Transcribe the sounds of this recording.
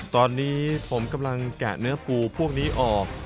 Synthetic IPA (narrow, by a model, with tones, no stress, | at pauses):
t̪ɔː˧nːiː˦˥pʰo˩˦mka˧mla˧ŋkɛː˨˩nɯ˦˥ɐpuː˧˩pʰu˥˩ək̚niː˦˥ʔɔː˨˩k̚